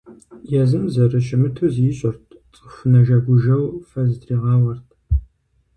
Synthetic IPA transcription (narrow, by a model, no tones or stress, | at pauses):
jɛzɨmzɐrɨɕɪmɨtʰuzjɪɕʼɪrtʰt͡sʼɨfʷʊnɐʒɐɡʷʊʒɐwfɐzɨdriːʁɑːwɐrtʰ